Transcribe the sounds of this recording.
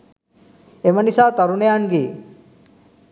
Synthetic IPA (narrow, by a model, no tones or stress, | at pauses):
emənisat̪ɐɾunejanɡi